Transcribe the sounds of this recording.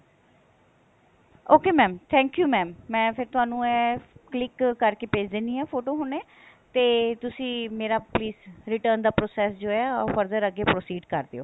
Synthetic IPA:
oːkeːmɛ̃ːmt̪ʰɛ̃ːŋkjuːmɛːmːɛ̃ːpʰɪɾt̪ʊɦaːnũːɛːklɪkːəɾkeːpeːd͡ʒd̪eːnd̪iːɛːpʰoːʈoːɦoːneː | t̪eːt̪ʊsĩːmeːɾaːpliːsɾɪʈəɾnd̪aːpɾoːsɛːsd͡ʒoːɛːfəɾd̪əɾəɡːeːpɾoːsiːɖkəɾd̪eːo̰ː

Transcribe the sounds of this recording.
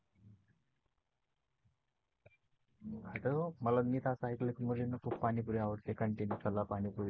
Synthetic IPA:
kʰaʈ̪əmələnit̪asaɦiklekmuɾinəkʰuːpːanipuɾiaʋəɾt̪ekəɳʈenjukʰəlːapanipuɾi

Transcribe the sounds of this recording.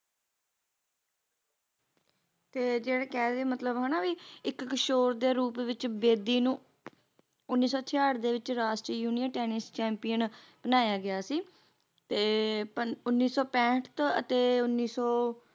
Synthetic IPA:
t̪eːd͡ʒeːɽeːkɛːdeːmət̪ləbɦɛːnaːʋiɪkːəʃoːɾd̪eːɾuːpʋɪt͡ʃbeːd̪iːnũː | ʊnːiːsɔːt̪ʰɪjaːɽd̪eːʋɪt͡ʃɾaːsʈiːjuːnijənʈɛːnɪst͡ʃɛ̃ːmpijənb̥ənaːjaːɡɪjaːsiː | t̪eːpəʊnːiːsɔːpɛ̃ːʈʰt̪ət̪eːʊnːiːsɔː

